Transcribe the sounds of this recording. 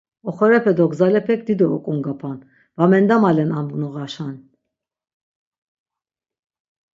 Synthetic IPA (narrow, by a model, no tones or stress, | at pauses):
ɔχɔɾɛpʰɛd̪ɔɡzalɛpʰɛk̚d̪id̪ɔːkʼuŋɡapʰan | vamɛnd̪amalɛnamɡnɔʁaʃan